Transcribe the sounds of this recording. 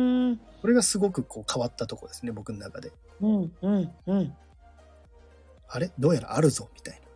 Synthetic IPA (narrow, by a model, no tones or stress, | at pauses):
ɯ | ko̞ɾe̞ɡasɨɡo̞kɯ̟kʰo̞ːkʰaβat̪ːat̪o̞ko̞d̪e̞sɨne̞bo̞kɯ̟no̞nakad̪e̞ | ɯ̟̃ɴɯ̟̃ɴɯ̟̃ɴ | aɾe̞d̪o̞ːjaɾa̰aɾɯ̟zo̞mʲi̥t̪aina